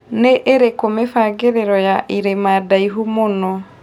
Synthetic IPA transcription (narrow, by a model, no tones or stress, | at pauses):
neʔeɾekomefaːɡeɾeɾɔjaʔiɾemaːdaiɦumonɔ